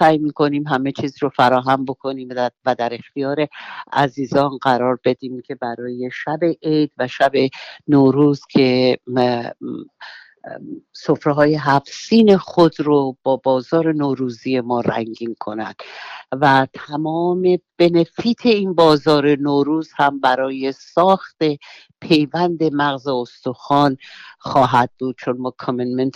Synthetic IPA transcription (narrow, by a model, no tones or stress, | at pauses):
sæːjmiːkʰo̞niːmɦæme̞t͡ʃʰiːziɾofæɾɒːɦæmbo̞kʰo̞niːmvæd̪æɾe̞xt̪ijɒːɾe̞æ̰ziːzɒnɢæɾɒːɾbe̞d̪iːmcʰe̞bæɾɒːje̞ʃæbe̞ʔejd̪væʃæbe̞noːɾuːz̥cʰe̞ | sofɾeɦɒːje̞ɦæfsiːne̞xod̪ɾob̥ɒːbɒːzɒːɾe̞noːɾuːzije̞mɒːɾæ̰ŋɟiːnkʰo̞næ̰d̪̥væt̪ʰæmɒːme̞b̥e̞ne̞fiːt̪ʰe̞inbɒːzɒːɾe̞noːɾuːz̥hæmbæɾɒːje̞sɒːxt̪e̞ | pʰe̞jvænd̪e̞mæɣzeost̪oxɒːnxɒːɦæd̪̚buːd̪̥̚t͡ʃʰo̞nmɒːkʰomenment̪ʰ